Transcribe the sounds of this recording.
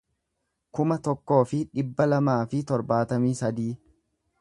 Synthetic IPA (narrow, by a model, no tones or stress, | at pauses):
kʊmɐt̪ɔkːo̞ːfɪᶑɪbːɐlɐmaːfɪt̪ɔɾbaːt̪ɐmiːsɐd̪iː